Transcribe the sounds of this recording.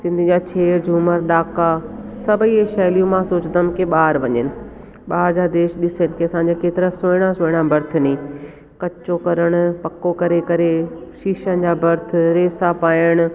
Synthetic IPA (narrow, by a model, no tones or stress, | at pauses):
sɪ̃nd̪ʱɪ̆d͡ʑaːt͡ɕʰeːɾd͡ʑʱuːməɾɗ̪aːkasɐbʱieʃɛːlijũmãsoːt͡ɕd̪əm̆keɓaːɾʋɐɲənɪ̆ | ɓaːɾd͡ʑaːd̪eːʃɗɪsənɪ̆kʰeɐsãːɲd͡ʑakeːt̪ɪɾasoɪɽ̃asoːɪɽ̃abʱɐɾt̪ʰʊnĩː | kɐt͡ɕokɐɾəɽ̃ʊ̆pɐkokɐɾekɐɾeʃiːʃənɪ̆d͡ʑaːbʱɐɾt̪ʰʊ̆ɾeːsapaːjəɽ̃ʊ̆